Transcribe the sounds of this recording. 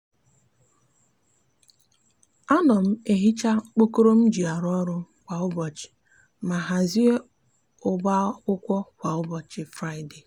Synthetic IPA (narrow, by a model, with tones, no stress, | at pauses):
a˦nɔ˨m̩˦e˨ɦi˦t͡ʃa˦k͡po˦ko˦ɾo˦m̩˦d͡ʒi˨a˨ɾɔ˦ɾʊ˦ | kʷa˨ʊ˦bɔ˨t͡ʃɪ̥˨ | ma˨ɦa˨zi˦e˦ | ʊ˨ɡ͡ba˦kʷʊ˦kʷɔ˦kʷa˨ʊ˦bɔ˨t͡ʃɪ˨fɾa˦ɪ˨de˨